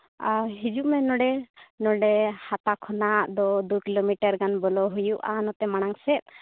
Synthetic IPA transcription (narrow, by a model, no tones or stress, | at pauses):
aɦid͡ʒuʔmɛnɔɖɛnɔɖɛhat̪akʰɔnaʔd̪ɔd̪ukilomiʈəɾɡanbɔlɔɦujuʔa̰nɔt̪ɛmaɽ̃aŋsɛt̪̚ˀ